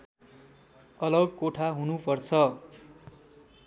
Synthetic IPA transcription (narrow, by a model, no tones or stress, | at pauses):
ʌlʌɡkoʈʰaɦunupʌrt͡sʰʌ